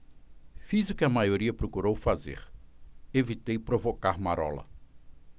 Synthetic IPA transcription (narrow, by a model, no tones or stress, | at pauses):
fizʊkɪɐmajoɾiɐpɾokuɾowfazḛɾevit̪ejpɾovokaɾmaɾɔ̰lɐ̰